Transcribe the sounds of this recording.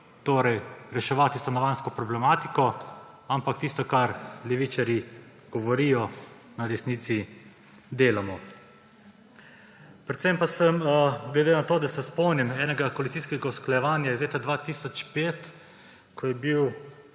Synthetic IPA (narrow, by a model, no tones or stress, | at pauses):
t̪oːɾɛjɾɛʃɛʋaːt̪ist̪anɔʋanskɔpɾɔblɛmaːt̪ikɔ | ampakt̪ist̪ɔkaɾlɛʋit͡ʃaɾi | ɡ̥ɔʋɔɾijɔ | nad̪ɛsniːt̪si | d̪eːlamɔ | pɾɛt̪sɛmpasəmɡlɛd̪enat̪oːd̪asɛspɔwnimɛːnɛɡakɔalit̪siːskɛɡausklajɛʋaːnjaizleːt̪ad̪ʋaːt̪iːsɔt͡ʃpeːt̪ | kʰɔjɛbiw